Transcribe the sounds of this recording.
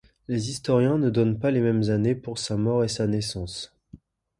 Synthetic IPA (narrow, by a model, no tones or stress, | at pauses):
lezist̪ɔʁjɛ̃nəd̪ɔnpalemɛmzanepuʁsamɔʁesanɛsɑ̃s